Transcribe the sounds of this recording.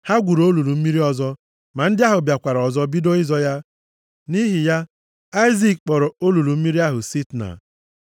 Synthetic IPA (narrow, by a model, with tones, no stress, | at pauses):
ha˦ɡʷu˨ɾo˦lu˨ɾu˨m̩˦mi˦ɾi˦ɔ˦zɔ˦ | ma˨n̩˦dɪ˦a˦ɦʊ˨bja˨kʷa˨ɾɔ˨zɔ˦bi˦do˦ɪ˦zɔ˦ja˦ | ni˦ɦi˨ja˦ | a˦i˦zi˨kk͡pɔ˨ɾɔ˨o˦lu˨lu˨m̩˦i˦ɾi˦a˦ɦʊ˨si˦tna̰˨